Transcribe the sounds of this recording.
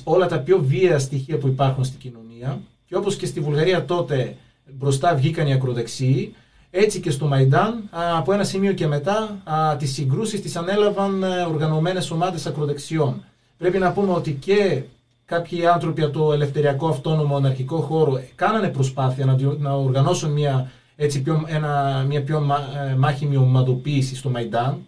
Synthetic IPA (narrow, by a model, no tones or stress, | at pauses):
o̞lɐt̪ɐpço̞vieɐst̪içiɐpuipɐɾxunst̪iɟino̞niɐ | ce̞o̞po̞sce̞st̪ivulɣɐɾiɐt̪o̞t̪e̞ | bɾo̞st̪ɐvʝikɐniɐkɾo̞ðe̞ksiː | e̞t͡sice̞st̪o̞mɐjd̪ɐnɐpo̞e̞nɐsimio̞ce̞me̞t̪ɐt̪isːiŋɡɾusist̪isɐne̞lɐvɐno̞ɾɣɐno̞me̞ne̞so̞mɐðe̞sɐkɾo̞ðe̞ksio̞n | pɾe̞pinɐpume̞o̞t̪ice̞ | kɐpçiɐnθɾo̞piɐt̪o̞e̞le̞fθe̞ɾiɐko̞ɐft̪o̞no̞moenɐɾçiko̞xo̞ɾokɐnɐne̞pɾo̞spɐθiɐnɐnɐoɾɣɐno̞sunmiɐ | e̞t͡sipçoenɐmɲɐpço̞mmɐçimiomɐðo̞piːsist̪o̞mɐid̪ɐn